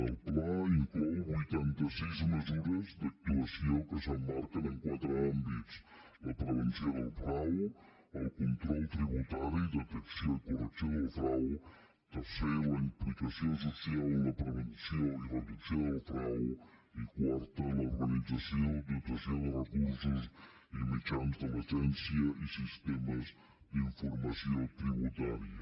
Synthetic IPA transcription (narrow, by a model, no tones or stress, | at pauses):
əlˠplaiŋkɔwbujt̪ant̪əsizməzuɾəzd̪ək̚t̪uəsiokəsəmːaɾkənəŋkwat̪ɾəambit͡s | ləpɾəβənsjoðəlˠpɾaw | əlˠkunt̪ɾɔlˠt̪ɾiβut̪aɾid̪ət̪əksjokurəksoðəlˠfɾaw | t̪ərsɛɾaimplikasjosasjawlɐpɾevənsjoirəpisjoalfɾawikwaɾt̪əluɾɡanid̪d͡zasjod̪ut̪wɐsjod̪ərəkuɾsus | imid͡ʒanzd̪əlad͡ʒɛnsjəʔisist̪ɛməz | d̪iɱfuɾmasiot̪ɾiβut̪aɾiə